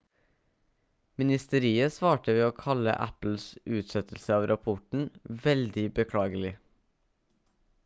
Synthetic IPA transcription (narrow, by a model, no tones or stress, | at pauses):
mɪnɪst̪əɾiːəsʋɑːʈəʋeːoːkʰɑlə̰ʔæ̰pl̩sʉːt̪sɛt̪ʰl̩səɑːʋɾʔɑpʰɔʈɳ̩ʋɛld̪ɪbəkʰɽɑːɡəlɪ